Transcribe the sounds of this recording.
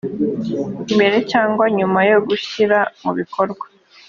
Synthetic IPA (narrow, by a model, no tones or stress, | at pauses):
ime̞ɾe̞caːŋɡwaɲumajoɡuʃiɾamuβikʰo̞ɾɡwḁ